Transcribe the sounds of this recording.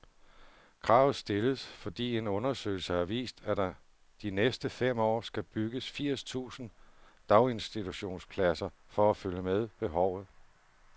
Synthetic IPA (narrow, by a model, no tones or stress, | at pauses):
kʰʁɑ̈ːʊð̩ˠsd̥e̝ləðˠsfɒ̽d̥ḭːe̝nɔ̽nɐsø̰ɪl̩səæʋḭːsd̥æd̥ɑ | d̥inesd̥əfem̰ɒ̰ːsɡ̥æb̥yɡ̥əsfiɐ̰st͡sʰṵːsn̩d̥ɑ̈ʊe̝nsd̥it͡sʰuɕo̝̰ːnspʰlæsɐ | fɒ̽æføljəmeð̞ˠb̥e̝ɦɒʊ̰ð̞̩ˠ